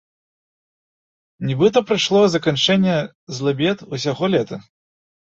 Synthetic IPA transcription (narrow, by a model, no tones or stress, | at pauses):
nʲibɨt̪ɐpɾɨʂlˠɔzɐkant͡ʂɛnʲːɛ | zlˠabʲɛt̪usʲaɣɔlʲɛt̪ɐ